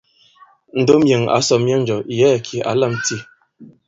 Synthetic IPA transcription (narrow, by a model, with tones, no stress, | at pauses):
n̩˨do˦mje˨ŋa̰˨˦sɔ˨mje˦ŋn̩˨d͡ʒɔ˨jɛː˦˨kʰi˨a̰˨˦lə˦˨mti˦˨